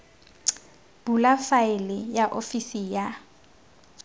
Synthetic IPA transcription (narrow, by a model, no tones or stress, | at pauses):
b̥ulafaɪlɪjaʔofisija